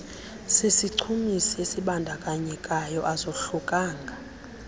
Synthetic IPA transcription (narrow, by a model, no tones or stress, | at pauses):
sisiǀʰumisiesiɓandʱakʼaɲɛkʼajɔʔazoɬukʼaːŋɡʱa